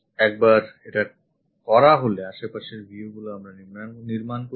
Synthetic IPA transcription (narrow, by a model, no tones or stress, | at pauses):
ɛk̚baɾeʈa | kɔɾaɦoleaʃepaʃeɾbʱiuɡuloamɾaniɾmnniɾmanko